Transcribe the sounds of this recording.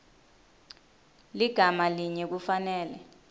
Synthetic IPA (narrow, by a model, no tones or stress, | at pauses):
liɡ̥ʱamaliɲɛk̬ufanɛːlɛ̰